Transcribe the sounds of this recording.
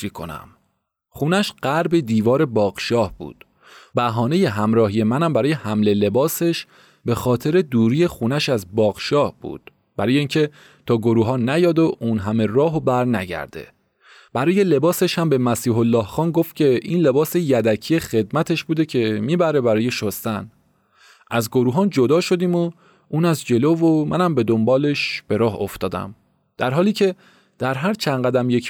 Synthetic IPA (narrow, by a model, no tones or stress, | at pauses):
ikʰo̰næ̰m | χuːnæʃɢ̥æɾbe̞d̪iːvɒːɾe̞bɒːɣ̥ʃɒːhb̥ṵːd̪̥ | bæɦɒːne̞je̞ɦæmɾɒːhije̞mænæmbæɾɔːje̞hæmle̞le̞bɒːse̞ʃ | be̞xɒːt̪ʰe̞ɾe̞d̪uːɾiːje̞xuːnæʃæzbɒːɣ̥ʃɒːhb̥ṵːd̪̥ | b̥æɾɒːjeiːŋcʰe̞ | t̪ʰɒːɡoɾuːɦɒːnæjɒːd̪oʔuːnɦæme̞rɒːɦobæɾnæ̰ɟæ̰ɾd̪e̞̰ | b̥æɾɒːje̞le̞bɒːse̞ʃhæmbe̞mæsiːɦolːɒːhxɒːnɡoft̪̚cʰʲe̞ʔiːnle̞bɒːsejæd̪æcʰijeχe̞d̪mæt̪ʰe̞ʃbuːd̪e̞cʰe̞miːbæɾe̞bæɾɒːje̞ʃost̪æn | ʔæzɡoɾuːɦɒːnd͡ʒo̞d̪ɒːʃo̞d̪iːmo | ʔuːnæzd͡ʒe̞lovomʔæ̰næmbe̞d̪ombɒːle̞ʃb̥e̞ɾɒːɦo̞ft̪ɒːd̪æ̰m | d̪̥æɾɦɒːliːcʰe̞ | d̪̥æɾɦæɾt͡ʃʰænɢæd̪æmje̞c